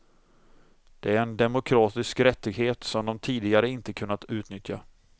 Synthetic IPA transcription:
d̪̥ɛæɾɛnd̪ɛmʊkʰɾɑːt̪ɪskɾɛt̪ːɪɡɦeːt̪sɔmd̪ɔmt̪ʰiːd̪ɪɡaɾəɪnt̪əkʰɵnːat̪ʉ̟ːt̪nʏt̪ja

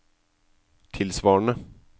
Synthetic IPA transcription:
t̪ʰɪlsʋɑːɳə

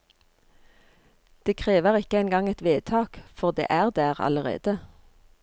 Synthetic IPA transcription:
d̪̥eːkʰʁeːʋəʁɪkəæɪnɡɑŋɛt̪ʋeːt̪ʰɑːkfɔʁd̪ḛːʔæːʁd̪æːʁɑ̰ləʁḛːd̪̥ə

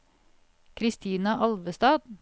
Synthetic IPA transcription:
kʰɾɪst̪ʰiːnɑʔɑlʋəst̪ɑːd̪̥

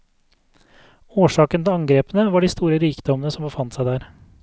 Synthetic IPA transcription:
oːʂɑːkənt̪ʰɛɑŋɡɾeːpənəʋɑːɖiːst̪uːɾəɾiːkd̪ɔmənəsɔmbəfɑnt̪sæɪd̪æːɾ

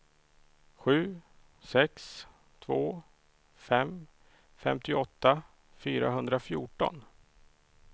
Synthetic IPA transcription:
ɧʉ̟ː | sɛks | t̪ʰvoː | fɛm | fɛ̰mt̪ɪɔt̪ːa | fyːɾa̰ɦɵnd̪ɾafjuːʈɔ̰n

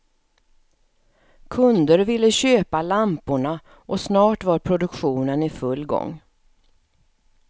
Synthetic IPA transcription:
kʰɵnd̪əɾvɪlːəɕøːpalampʊɳa | ʔɔsnɑːʈvaɾpʰɾʊd̪ɵkɧuːnənɪfɵlːɡɔ̰ŋː

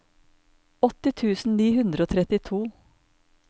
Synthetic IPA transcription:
ɔt̪ɪt̪ʰʉːsn̩niːhʉnd̪ɾəoːt̪ʰɾɛt̪ɪt̪ʰuː

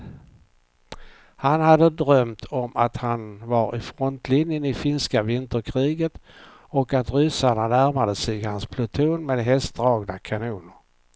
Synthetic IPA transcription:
hanhad̪ːəd̪ɾœmt̪ʰɔmʔat̪hanvaɾʔɪfɾɔnt̪ʰlɪnjənɪfɪnskavɪnt̪əɾkʰɾiːɡət̪ | ɔkat̪ɾʏ̟saɳanæɾmad̪əsɛjhanspʰlʊt̪ʰuːnmeːd̪ɦɛst̪̚d̪ɾɑːɡnakʰanuːnəɾ

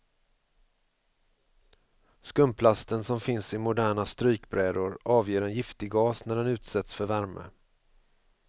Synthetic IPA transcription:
skɵmpʰlast̪ənsɔmfɪnsɪmʊd̪æːɳast̪ɾyːkbɾɛːd̪ʊɾʔɑːvjeːɾɛnjɪft̪ɪɡɡɑːsnæɖɛnʉ̟ːt̪sɛt̪sfœɾvæɾmə̰

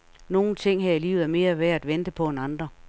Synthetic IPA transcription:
no̝ːn̩t͡sʰe̝ŋ̰ɦæɐ̰ilḭːʊð̩ˠæɐme̝ːɐʋeɐæd̥ʋend̥əpʰɒ̽enɑ̈nd̥ʁɐ

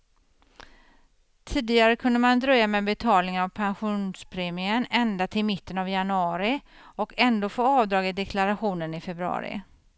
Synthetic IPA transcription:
t̪ʰiːd̪ɪɡaɾəkʰɵnd̪əmand̪ɾœjːamɛːbɛt̪ʰɑːlnɪŋənavpʰanɧuːnspʰɾeːmɪənɛnd̪at̪ʰɪlmɪt̪ːənavjanɵɑːɾɪ | ɔkʰɛnd̪oːfoːɑːvd̪ɾɑːɡɪt̪̚d̪ɛkʰlaɾaɧuːnənɪfɛbɾɑ̰ːɾɪ̰

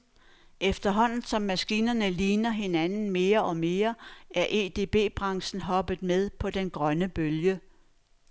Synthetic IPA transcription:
efd̥ɐɦɒ̽n̰n̩sɒ̽mːæsɡ̥iːnɐnəliːnɐɦe̝nænn̩me̝ːɐʔɒ̽me̝ːɐæɐʔe̝ːd̥e̝ːb̥e̝̰ːb̥ʁɑ̈ŋsn̩ɦɒ̽b̥ð̩ˠmeð̞ˠpʰɒ̽d̥enɡ̥ʁɶnəb̥øljə

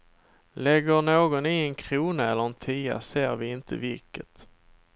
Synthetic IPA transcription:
lɛɡːəɳoːɡɔnɪɛnkʰɾuːnaɛlːəɾɛnt̪ʰiːa̰seːɾvɪɪnt̪ʰə̰vɪlkət̪

